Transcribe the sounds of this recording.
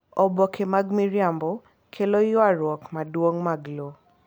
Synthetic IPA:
ɔbɔkʰemaɡmiɹiambɔ | kʰelɔjɔaɹwɔkmadwɔŋmaɡlo

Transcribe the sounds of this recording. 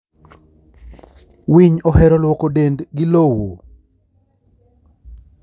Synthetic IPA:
wiɲɔhɛɾɔlwɔkodendɡɪlowo

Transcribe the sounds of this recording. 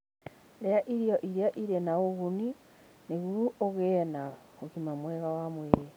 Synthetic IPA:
ɾeaʔiɾiɔʔiɾeaʔiɾenaoɣuni | neɣuɾuoɣenaɣoɣimamwɛɣawamwɛɾe

